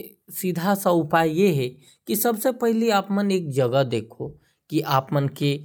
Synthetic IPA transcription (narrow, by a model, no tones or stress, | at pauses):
sid̪ʱasaʊpaːjjeɦɛ | kisɐbsepɛɦleaːpmɐneːk̚d͡ʒɐɡəd̪eːkʰo | kiʔaːpmɐnke